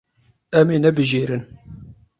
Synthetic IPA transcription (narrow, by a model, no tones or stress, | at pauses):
ɛmeːnɛbɨʒeːɾɨn